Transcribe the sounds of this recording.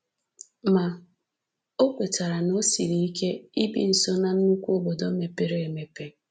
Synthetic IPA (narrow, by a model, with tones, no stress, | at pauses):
ma˨ | o˦kʷe˨ta˨ɾa˨no˦si˨ɾi˨i˦ke˦i˦bḭ˨n̩˨so˦na˨n̩˦nu˦kʷu˦o˦bo˨do˦me˨pe˨ɾe˦e˨me˨pe˦